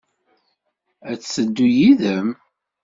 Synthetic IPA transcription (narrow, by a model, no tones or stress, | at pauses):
æt͡sːəd̪ːujiðəm